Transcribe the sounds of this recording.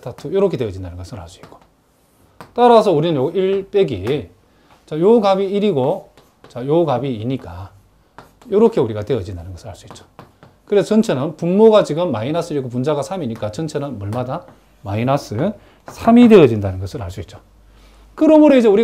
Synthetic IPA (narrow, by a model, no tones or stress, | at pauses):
tʰatʰujoɾʌkʰe̞te̞ʌd͡ʑindanɯnŋɡʌsʰɯɾha̰ɭs͈uik͈o̥ | t͈aɾasʰʌuɾinɯnjoɡiɭp͈e̞ɡḭ | t͡ɕajoɡabiːɾiɡo | t͡ɕajoɡabiːɲik͈a | joɾʌkʰe̞uɾiɡate̞ʌd͡ʑindanɯnɡʌsʰɯɾhaɭs͈uit̚t͡ɕ͈o̥ | kɯɾet͡ɕʌnt͡ɕʰenɯnpunmoɡat͡ɕiɡɯmːainas͈ɯiɡopund͡ʑaɡasʰamiɲik͈at͡ɕʌnt͡ɕʰenɯnmʌɭmada | mainas͈ɯ | sʰamide̞ʌd͡ʑindanɯnɡʌsʰɯɾha̰ɭs͈uit̚t͡ɕ͈o̥ | kɯɾʌmoɾoid͡ʑe̞uɾi